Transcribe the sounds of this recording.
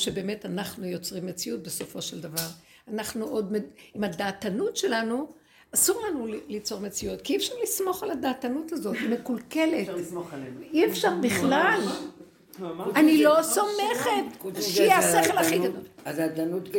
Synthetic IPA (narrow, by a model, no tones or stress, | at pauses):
ʃebeːme̞tanaχnujo̞t͡sʁimːet͡sijut̚beso̞fo̞ʃeld̪avaʁ | anaχnuʔo̞d̪meimadaːtanutʃe̞lanu | asuʁlanulit͡so̞ʁmet͡sijutkiɛfʃaʁlismo̞χaladaːtanutazo̞t̪mekulke̞letoiefʃaʁbiχlal | anilo̞someχetʃaseχelaχiɡad̪oladanut̪